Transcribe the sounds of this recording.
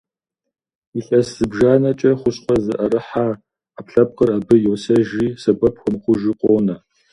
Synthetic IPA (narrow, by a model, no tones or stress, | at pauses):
iɬɐsz̥ɨbʒaːnɐt͡ʃʼɐχʷʊsqʷʼɔzɨ̰ʔɐɾɨħaː | apɬɐp̚qərabɨjowsɐʒiːsɐbʷɐp̚ʰxʷɔmχʷʊʒiːqʷʼoːnɐ